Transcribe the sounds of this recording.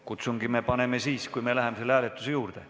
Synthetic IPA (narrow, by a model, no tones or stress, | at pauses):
kut̪suŋɡ̥ime̞pɑne̞me̞siːskujme̞læɦemeselːæːlet̪ːˑusejuːrd̪̥e̞